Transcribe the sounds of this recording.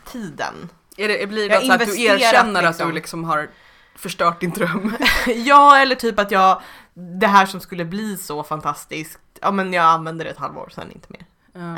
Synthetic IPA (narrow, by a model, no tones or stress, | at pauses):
t̪ʰiːd̪ə̰n | æɖɛbliːjɑɪvɛsd̪eːɾeːɾɾɛanːəɾat̪̚d̪ɵlɪksɔmɦaɾ | fœʂʈœːʈ̚d̪ɪnd̪ɾœmːjɑːɛlːəʈʰyːpat̪jɑː | d̪ɛɦæːʂɔmskɵlːəbliːsɔfant̪ʰast̪ɪsk̚t̪jʔɑ̰ːmɛnjɑːɡanvɛnd̪əɾɛt̪ha̰lvo̰ːɾsɛ̰nɪ̰nt̪ʰəmḛːɾ